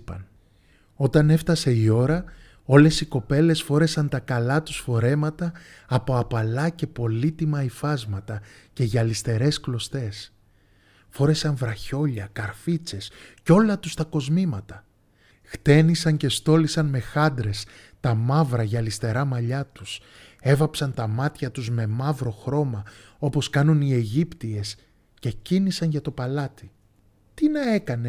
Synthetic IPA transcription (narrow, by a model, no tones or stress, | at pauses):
pɐn | o̞t̪ɐne̞ft̪ɐse̞io̞ɾɐ | o̞le̞siko̞pe̞le̞sfo̞ɾe̞sɐnt̪ɐkɐlɐt̪u̥sfo̞ɾe̞mɐt̪ɐːpo̞ɐpɐlɐce̞po̞lit̪imɐifɐzmɐt̪ɐce̞ʝɐlist̪e̞ɾe̞sklo̞st̪e̞s | fo̞ɾe̞sɐɱvɾɐço̞ʎɐkɐɾfit͡se̞sco̞lɐt̪ust̪ɐko̞zmimɐt̪ɐ | xt̪e̞nisɐɲce̞st̪o̞lisɐnme̞xɐnd̪ɾe̞s | t̪ɐmɐvɾɐʝɐːlist̪e̞ɾɐmɐʎɐt̪us | e̞vɐpsɐnt̪ɐmɐt̪çɐt̪uzme̞mɐvɾo̞xɾo̞mɐ | o̞po̞skɐnunie̞ʝipt̪ie̞s | ce̞cinisɐnʝɐt̪o̞pɐlɐt̪i | t̪inɐe̞kɐne̞